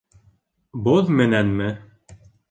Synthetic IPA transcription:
boðmɘ̆nænmɘ

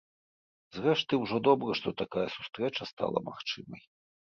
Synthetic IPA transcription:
zrɛʂt̪ɨwʐɔd̪ɔbɾɨʂt̪ɔt̪akajɐsu̥st̪ɾɛt͡ʂɐst̪a̰lˠɐ̰ma̰xt͡ʂɨmɐ̰j

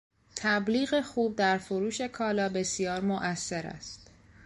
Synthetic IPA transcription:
t̪ʰæbliːɣexuːb̚d̪æɾfoɾuːʃe̞kʰɒːlɒːbe̞sijɒːɾmoʔæsːe̞ɾæ̰st̪

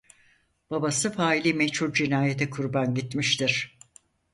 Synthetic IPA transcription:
b̥abasɯfaːilʲimɛt͡ʃhuɾd͡ʒinaːjet̪ʰɛkʰuɾbanɟit̪miʃt̪ʰiɾ̥

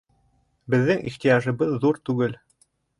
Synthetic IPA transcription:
bɘ̆ðːɘŋḭχt̪ijɑʒɤ̆βɤðːuɾt̪ʉɡɘl

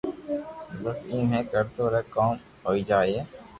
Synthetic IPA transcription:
bɐsiːmɦẽːkəɾt̪oɾɛːkɔːm | ɦoːid͡ʒaːeː

